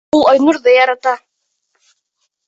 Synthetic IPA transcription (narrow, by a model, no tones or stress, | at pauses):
ulˠɑjnuɾðɤjɑɾɑt̪ɑ